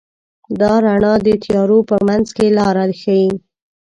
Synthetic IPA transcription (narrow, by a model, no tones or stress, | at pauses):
d̪ɑɾaɳɑd̪ət̪jɑɾopəmanzkelɑɾad̪xaji